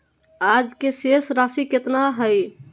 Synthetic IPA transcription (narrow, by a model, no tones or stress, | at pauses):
ad͡ʒkesesɾasiket̪naɦəj